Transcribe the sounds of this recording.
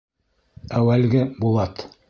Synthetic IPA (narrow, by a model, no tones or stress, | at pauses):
æwælɡɘbulˠɑt̪